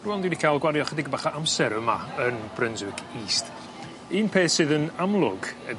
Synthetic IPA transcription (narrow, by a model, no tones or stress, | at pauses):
ruɔndidikʰalˠɡwaɾjɔχədiɡəbaχaʔamsɛɾəmaənb̥rənzɨkiːst | iːnpʰeːsɨðənamlˠʊɡə